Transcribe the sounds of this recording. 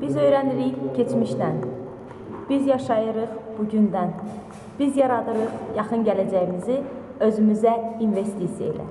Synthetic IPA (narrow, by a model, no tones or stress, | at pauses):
b̥izø̞jɾæniɾiçcʰe̞t͡ʃmiʃd̪æn | b̥izjɑʃɑjɯɾɯχb̥uɟynd̪æn | b̥izjɑɾɑd̪ɯɾɯχjɑχɯnɟælæd͡ʒæjimizi | ø̞zymyzæinve̞st̪isijḛḭlæ̰